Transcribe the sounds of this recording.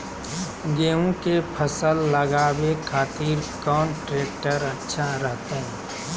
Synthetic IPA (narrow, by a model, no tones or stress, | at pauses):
ɡeːũkepʰəsəlːəɡaːbekʰaːt̪iɾkɔːnʈɾeːk̚ʈəɾɐtːʃʰaɾəɦt̪aɦɛː